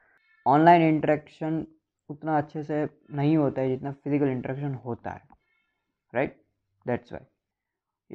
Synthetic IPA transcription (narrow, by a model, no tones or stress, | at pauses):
ɔːnlaːɪnɪ̃ɳʈəɾɛːkʃən | ʊt̪naɐtːʃʰese | nɐɦĩɦoːt̪aɦɛd͡ʒɪt̪nafɪzɪkəlɪ̃ɳʈəɾɛːkʃənɦoːt̪a̰ɦɛ̰ː | ɾaɪʈ̚ | d̪ɛːʈsʋa̰ːi